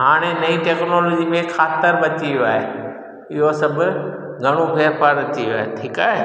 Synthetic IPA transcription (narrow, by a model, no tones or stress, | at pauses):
ɦaːɽ̃enɐiʈeːknoːloːd͡ʑimẽxʰaːt̪əɾbɐtiʋjoaːɦe | ɪɦosɐbʱʊ̆ | ɡʱɐɽ̃obʱeːɾpaːɾɾɐt̪iʋjoaːɦeʈʰiːkaːɦe